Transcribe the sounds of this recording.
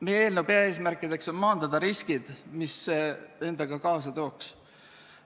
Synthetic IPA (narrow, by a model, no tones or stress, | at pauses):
meje̞ːlnubeɑe̞ːsmærkːˑid̪̥e̞kso̞nmɑːnd̪̥ɑd̪̥ɑɾiskid̪̥mise̞nd̪̥ɑɡ̥ɑkɑːsɑt̪o̞ːks